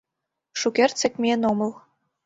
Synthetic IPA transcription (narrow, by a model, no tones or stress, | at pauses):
ʂukʲert̪t͡sɘ̆kʲmʲenomɤ̆lˠ